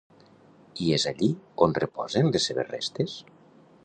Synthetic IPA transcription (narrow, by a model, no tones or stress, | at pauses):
iezaʎionrepɔ̰zenlesːeβerḛst̪es